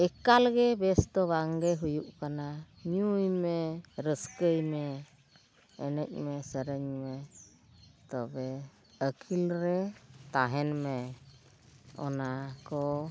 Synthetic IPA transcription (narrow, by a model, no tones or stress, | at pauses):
ɛkalɡɛbɛst̪ɔβaŋɡɛɦujuʔkana | ɲujmɛɾəskəjmɛ | nəc̚ˀmɛsəɾəɲmɛ | t̪ɔbɛ | əkʰilɾɛt̪aɦɛnmɛ | ɔ̰nakɔ